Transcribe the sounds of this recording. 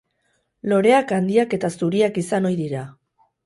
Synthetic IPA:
lo̞ɾe̞akand̪iake̞t̪asuɾiakisano̞jðiɾa

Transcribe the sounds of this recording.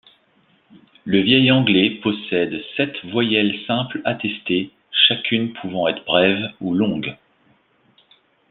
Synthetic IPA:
ləvjɛjɑ̃ɡlɛpɔsɛd̪sɛt̪vwajɛlsɛ̃plat̪ɛst̪e | ʃakʲʰynpʰuvɑ̃ɛt̪χbʁɛvulɔ̃ɡ

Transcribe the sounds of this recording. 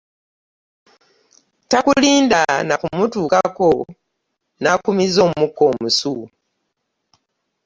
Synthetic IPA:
takuliːndanakumutuːkako | nakumizo̞ːmumukːo̞ːmusu

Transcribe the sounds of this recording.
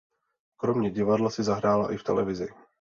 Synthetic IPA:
kɾo̞mɲɛɟɪvadlasɪzaɦɾaːla̰ʔɪft̪ɛ̰lɛvɪzɪ̰

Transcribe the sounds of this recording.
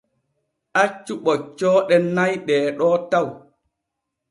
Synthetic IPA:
ʔat͡ʃːuɓɔt͡ʃːɔːɗɛnːajɗɛːɗɔːtaw

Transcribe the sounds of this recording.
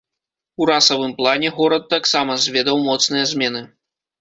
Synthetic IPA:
uɾasɐvɨmplˠanʲɛɣɔɾɐt̪̚ːaksamɐzʲvʲɛd̪ɐwmɔt̪snɨjɐzʲmʲɛnɨ

